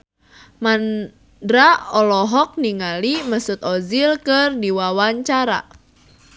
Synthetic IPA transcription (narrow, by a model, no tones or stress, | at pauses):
man | dɾaɔlɔɦɔk̚niŋaliməsʊt̪ɔzilkərdiwawaɲt͡ʃaɾa̰